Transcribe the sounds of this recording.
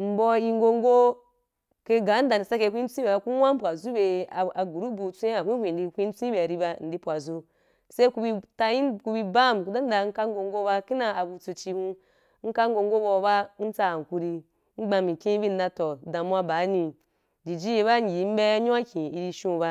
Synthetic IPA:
m̩˨˦bɔ˧i˧ŋ˦ɡo˧ŋ˦ɡo˦ | ke˧ɡa˨˦n̩˦da˨i˨sa˦ke˧˨kʷu˦i˦n̩˦t͡sʷĩ˦be˨ba˧˦ku˦wʷa˦m̩˦pʷa˨zu˦be˨a˨a˨ɡu˨ɾu˦bu˨t͡sʷẽ˦a˨kʷi˦hʷĩ˨n˨di˧kʷi˦n̩˦t͡sĩ˦be˨a˨ɾi˧ba˧n̩˨di˦pʷa˨zu˦ | se˦i˦ku˧bi˧ta˧i˦ku˧bi˧ba˦˨m˨ku˧da˦n̩˦da˨ŋ̩˦ka˦ŋ˦ɡo˧ŋ˦ɡo˦ba˧ki˦na˨a˨bu˧t͡su˧t͡ʃi˧hũ˦ | ŋ̩˦ka˦ŋ˦ɡo˧ŋ˦ɡo˦bɔ˧˦ba˦n̩˦t͡sa˦˨ŋ˨ku˧˦ɾi˧ | ŋ͡m̩˦ɡ͡ba˧mi˨kʲĩ˦bi˦n̩˦da˧tɔ˨da˨mʷ˦a˧˦ba˨˦nĩ˨ | d͡ʒi˨d͡ʒi˦je˧ba˦˨ɡʲi˨˦m̩˦be˦ɲõ˦a˦kʲĩ˨i˨ɾi˧ʃũ˦ba˧

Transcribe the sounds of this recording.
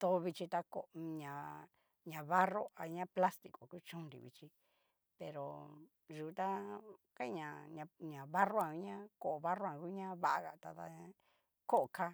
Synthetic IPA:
t̪o˧˦˧βi˧t͡ʃi˧t̪a˧ko˨ɲã˨ | ɲã˨βa˦ro˦a˧ɲã˦pla˦st̪i˧ko˨ku˦t͡ʃũ˦˧nɾḭ˧βḭ˧t͡ʃi˧ | pe˧ɾo̰˨ | ʒu˨˧t̪a˦ka˦i˧ɲã˨ɲã˧ɲã˨βa˦ro˦ã˧u˧˦ɲã˦ko˧˨o˨βa˦ro˦ã˨ku˦ɲã˦βa˦ʔa˧ɣa̰˨t̪a˧t̪a̰˧ | ko˦ʔka˦

